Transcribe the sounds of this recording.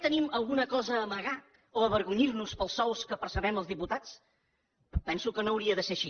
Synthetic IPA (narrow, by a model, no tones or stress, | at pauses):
t̪əniməlˠɣunəkɔzəːməɣa | oəβəɾɣuɲirnuspəlˠsɔwskəpəɾsəβɛməlˠzðiput̪at͡s | pɛnsukənoːwɾiəðəseʃi